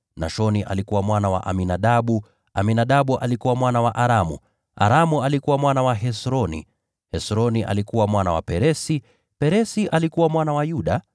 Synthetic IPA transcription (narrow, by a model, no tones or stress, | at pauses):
na̰ʃɔniʔa̰likuwamwanawa̰ʔaminaɗaɓu | a̰minaɗaɓuʔalikuwamwanawaʔaɾamṵ | ʔa̰ɾamualikuwamwanawaɦɛsɾɔnḭ | hɛsɾɔniʔa̰likuwamwanawa̰pɛɾɛsi | pɛɾɛsiʔalikuwamwanawajuɗa